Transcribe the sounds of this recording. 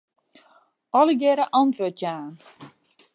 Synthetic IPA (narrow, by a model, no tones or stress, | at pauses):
ɔləɡɛɾəʔɑntʋotjaːn